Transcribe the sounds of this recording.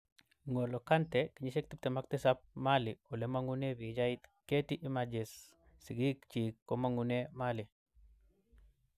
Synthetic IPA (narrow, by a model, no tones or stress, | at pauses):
ŋolokantekiɲisek̚t̪ip̚t̪emak̚tisap̚maliolemaŋunebid͡ʒajit̪ketiʔimad͡ʒes | siɡikt͡ʃikːomaŋunemali